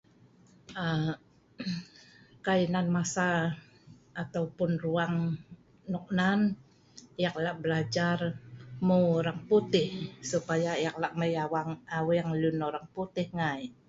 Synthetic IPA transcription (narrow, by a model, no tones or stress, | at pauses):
a | kainanmasaː | t̪aupʊnruaŋ | nuk̚nan | ijak̚laʔbəlad͡ʒarmuɾaŋput̪ɪhsupajajak̚laʔməjawaŋawiaŋlunoɾaŋput̪ɪhŋaj